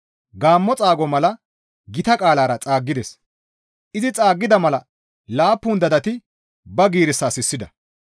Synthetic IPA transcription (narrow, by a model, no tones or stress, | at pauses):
ɡaːmːɔt͡sʼaːɡɔmɐlɐ | ɡɪt̪ɐkʼaːlaːɾɐt͡sʼaːɡːɪd̪ɛs | ʔɪzɪt͡sʼaːɡːɪd̪ɐmɐlɐ | laːpːund̪ɐd̪ɐt̪ɪ | bɐɡiːɾɪsːaːsɪsːɪd̪ɐ